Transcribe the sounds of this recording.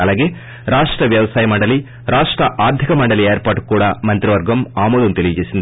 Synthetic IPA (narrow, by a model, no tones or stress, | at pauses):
ɐlːɐːɡeː | ɾaːʂʈɾɐʋjɐʋɐsaːjɐmɐɳɖɐli | ɾaːʂʈɾɐʔaːɾd̪ʱikɐmɐɳɖɐlieːɾpaːɾʈkːuːɽɐmɐnt̪ɾiʋɐɾɡɐmaːmoːlunt̪ilid͡ʒeːsind̪